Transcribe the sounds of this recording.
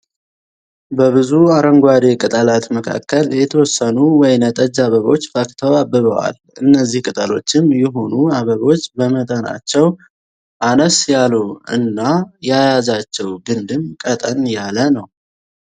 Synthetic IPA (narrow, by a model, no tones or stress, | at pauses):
bəβɨzuaɾəŋɡʷad̪e̞kʼɨt̪ʼəlat̪məkʰa̰kːəljɛt̪ʰəwɔsːənuwɔjnət̪ʼəd͡ʒaβəβo̞̰t͡ʃːfakt̪ʰəwabːɨβəwa̰l | ɨnːəzːihkʼɨt̪ʼəlo̞̰t͡ʃːɪmjɛɦo̞nuaβəβo̞t͡ʃːbəmət̪ʼəna̰t͡ʃːɛw | ʔanəsjaluɨ̰nːajajazat͡ʃːɛwɡɨnd̪ɨmkʼət̪ʼənjalənəw